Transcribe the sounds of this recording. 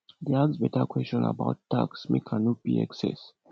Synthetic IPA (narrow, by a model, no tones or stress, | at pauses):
d̪easbɛtakʰwɛsɔ̃na̰baʊtːaksmḛkʰãnɔt̚b̥iɛksɛ̰s